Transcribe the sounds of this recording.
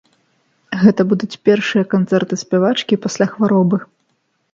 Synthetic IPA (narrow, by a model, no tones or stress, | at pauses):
ɣɛt̪ɐbud̪ut͡sʲpʲɛrʂɨjɐkant̪sɛrt̪ɨsʲpʲɛvat͡ʂkʲipasʲlʲaxvaɾɔbɨ